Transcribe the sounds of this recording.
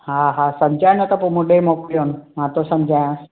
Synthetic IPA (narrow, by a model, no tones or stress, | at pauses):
ɦaɦasɐmd͡ʑʱaːjnat̪ɐpomũɗemokijonmãːt̪osɐmd͡ʑʱajã